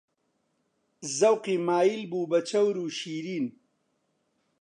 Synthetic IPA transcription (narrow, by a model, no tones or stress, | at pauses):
zɐwqiːmaːjilbuːbɐt͡ʃʰɐwɾuːʃiːɾiːn